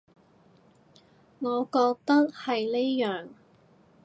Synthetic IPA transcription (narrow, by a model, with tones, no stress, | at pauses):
ŋɔː˨˧kɔː˧k̚t̪ɐ˥k̚hɐ˨jne˥jjœː˨˩ŋ